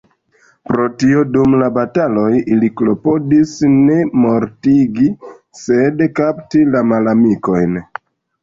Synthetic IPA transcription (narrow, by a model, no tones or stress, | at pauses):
pɾo̞tio̞dumlabatalo̞jiliklo̞po̞disne̞mo̞ɾtiɡi | se̞dkaptilamalamiko̞jn